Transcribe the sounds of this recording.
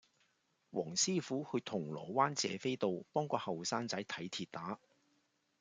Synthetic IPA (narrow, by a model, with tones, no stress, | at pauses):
wʔɔ̰ː˨˩ŋsiː˥fuː˨˥hɵ˧t̪ʰʊ˨˩ŋlɔ̰ː˨˩waː˥nt͡sɛ̰ː˨˧fe˥jt̪o˨wpɔː˥ŋkɔː˧hɐ˨wsaː˥nt͡sɐ˨˥jt̪ʰɐ˨˥jt̪ʰiː˨˧t̚t̪aː˨˥